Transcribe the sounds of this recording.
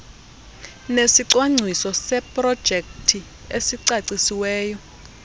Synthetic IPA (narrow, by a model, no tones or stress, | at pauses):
nesiǀwaŋ͡ǀʱisɔsɛpʼrɔd̥ʒ̥ʱek̚tʰi | esiǀaǀisiwɛːjɔ